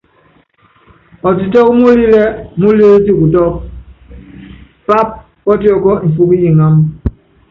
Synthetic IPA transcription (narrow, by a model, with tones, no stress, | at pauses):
ɔ˨t̬i˨tɔ˦k̚mu˦li˦lɛ˦mu˦li˦t̬i˦ku˨tɔ˦k̚ | pa˦p̚ | kɔ˦ti˦ɔ˨kɔ˦m̩˨fu˦ki˦ji˨ŋa˦m